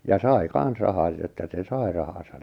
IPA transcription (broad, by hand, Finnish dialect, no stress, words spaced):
jɑ sɑi kɑn̞s rɑhɑt̆ etːæ se sɑi rɑhɑsɑj